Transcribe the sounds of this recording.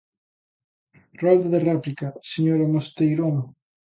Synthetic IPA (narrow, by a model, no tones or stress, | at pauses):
rald̪aðeraplikaseɲoɾamost̪ejɾono